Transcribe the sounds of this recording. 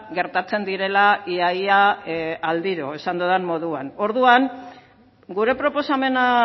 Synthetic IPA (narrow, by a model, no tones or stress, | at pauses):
ɡe̞ɾt̪at͡se̞nd̪iɾe̞laiajaald̪iɾo̞e̞sand̪oðanmo̞ðuano̞ɾðuaŋ | ɡuɾe̞pɾo̞po̞same̞na